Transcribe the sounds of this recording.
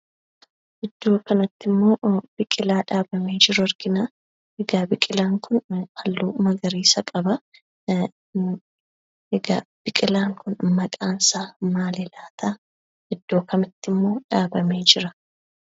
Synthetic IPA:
ʔɛd̪ːo̞ːkɐnɐt̪ːɪmːo̞ːb̥ɪkʼɪlaːᶑaːbɐme̞ːd͡ʒɪɾʊɐɾɡɪnaː | ʔɛɡaːbɪkʼɪlaːŋkʊnhɐlːuːmɐɡɐɾiːsɐkʼɐbɐ | ɛɡaːb̥ɪkʼɪlaːŋkʊnmɐkʼaːnsaːmaːlɛlaːt̪aː | ɛd̪ːo̞ːkɐnɐt̪ːɪmːo̞ːᶑaːbɐme̞ːd͡ʒɪɾɐ

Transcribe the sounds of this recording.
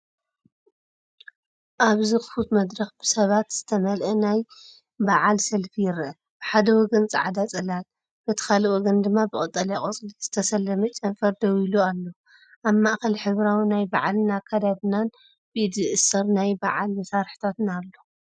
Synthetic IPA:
ʔaβzɨxɨ̥fut̪mɐd̪ɾɐxb̥ɨsɐβat̪z̥ɨt̪ʰɐmɐlʔɐnaj | baʕalsɐlfijɪɾʔɐ | b̥ɨħad̪ɐwɔɡɐnt͡sʼɨ̰ʕad̪at͡sʼɐlat̪ | b̥ɐt̪ʰɨ̥kʰalwɔɡɐnd̪ɨmːabɨkʼɨt̪ʼːɐlakʼot͡sʼliz̥ɨt̪ʰɐsɐlːɐmɐt͡ʃʼɐnfɐɾd̪ɐwilualːo | ʔaβmaʔxɐlħɨβɾawinajbaʕalnakʰɐd̪aβnan | b̥ɨʔɨd̪ɨʔɨsɐɾnajba̰ʕalmɐsaɾħi̥t̪ʰat̪nalːo

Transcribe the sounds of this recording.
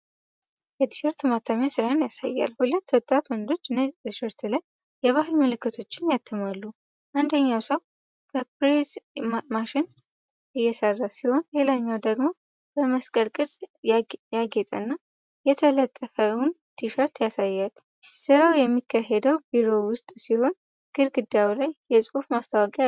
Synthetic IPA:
jɛt̪i̥ʃəɾt̪mat̪ʰːamjasɨɾaɨnjasa̰jːa̰lhulət̪ːwɔt̪ʼːat̪wɔnd̪o̞t͡ʃːʃəɾt̪laj | jɛβaɦɨlməlɨkːɨt̪ʰo̞t͡ʃːɪnjat̪ʰːɨmalːu | ʔand̪əɲːawsəw | b̥əpɾesmaʃɪn | ʔɨjːɛsərːasiho̞nle̞laɲːawd̪əɡmo̞ | b̥əməskʼəlkʼɨɾsʼjaɡɛt̪ʼə̰nːa | jɛt̪ʰələt̪ʼːəfəwʊn | t̪ʰiʃəɾt̪jasajːal | sɨɾəwjɛmːikʰːaɦed̪əwbiɾo̞wʊst̪ʼsiho̞n | ɡ̥ɨɾɡɨd̪jawlajjɛsʼufmast̪ʰawɔkʼi

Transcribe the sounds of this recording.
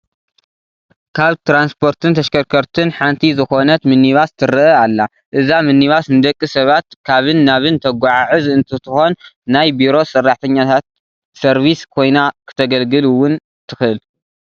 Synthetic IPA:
kʰaβt̪ɾanspʰo̞ɾt̪ʰɨnt̪ʰɐʃkʰɐɾkʰɐɾt̪ʰɨnħant̪ʰizɨxo̞nɐt̪mɨnːiβast̪ʰɨɾɨʔɐalːa | ʔɨzamɨnːiβasnɨd̪ɐkʼːɨsɐβat̪kʰaβɨnːaβɨnt̪ʰɐɡʷaʕaʕɨzɨnt̪ʰɨt̪ʰɨxo̞nːajbiɾo̞sɨrːaħt̪ʰɐɲːat̪ʰat̪̚ | sɐɾβiskʰo̞jnakʰɨ̥t̪ʰɐɡɐlɡɨluwʊn | t̪ʰɨxʔɨl

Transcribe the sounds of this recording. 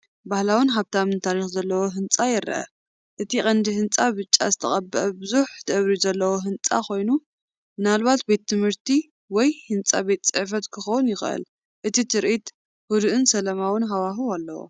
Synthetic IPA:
bahlawɨnɦaβt̪ʰamɨnt̪ʰaɾixzɐlːɐwoɦɨnt͡sʼajɪɾ̰ʔɐ̰ | ʔɨt̪ʰiχʼɐnd̪iɦɨnt͡sʼaβɨt͡ʃʼːa̰zɨt̪ʰɐχʼɐbːɨʔɐbɨzuħd̪̥ɐβɾizɐlːɐwo̞ɦɨnt͡sʼa̰kʰo̞jnu | mɨnalβat̪̚be̞t̪ːɨmhɨɾt̪ʰi | wɔjhɨnt͡sʼa̰be̞t̪t͡sʼɨʕf̬ɐt̪kʰɨxɐwʊnjɪxʔɨ̰l | ʔɨt̪ʰit̪ʰɨɾʔit̪ | hud̪ʔɨnsɐlɐmawɨnɦawaɦualːɐ̰wo̰

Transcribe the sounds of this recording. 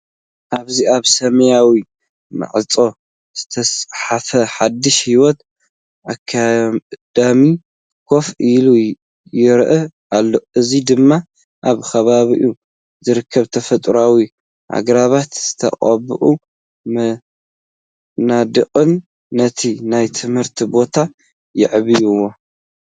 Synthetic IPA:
ʔaβziaβsɐmɐjawi | mɨ̰ʕɨt͡sʼo̞ | z̥ɨt̪ʰɐsħafɐħad̪ːɨʃhiwɔt̪ | ʔakʰːad̪̥ami | kʰo̞filu | jɪɾʔɐʔalːo̞ʔɨzid̪ɨmːa | ʔaβkʰɐβaβiʔu | zɨɾɨkʰːɐβt̪ʰɐfɐt̪ʼɾawi | ʔa̰ɡɾaβat̪z̥ɨt̪ʰɐ̰qʼɐbɨʔu | m | nad̪ɨqʼɨnː | ɐt̪ʰinajt̪ʰɨmhɨɾt̪ʰibo̞t̪ʰa | jɪʕβijuwo

